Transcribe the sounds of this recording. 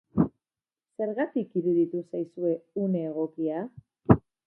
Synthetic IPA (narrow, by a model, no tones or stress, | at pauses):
se̞ɾɣat̪ikiɾuðit̪usajsue̞uneːɣo̞kia